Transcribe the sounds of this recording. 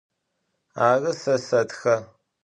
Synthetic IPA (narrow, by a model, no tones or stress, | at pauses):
aːrɨsɐsɐtxɐ